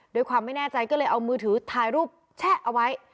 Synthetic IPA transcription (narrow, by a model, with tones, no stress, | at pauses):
doː˧jkʰwaː˧mːa˥˩jnɛː˥˩t͡ɕa˧jkɔː˥˩lɤː˧jʔa˧wmɯː˧t̪ʰɯː˩˦t̪ʰaː˧jɾuː˥˩p̚ | t͡ɕʰɛː˥˩ʔa˧wa˦˥j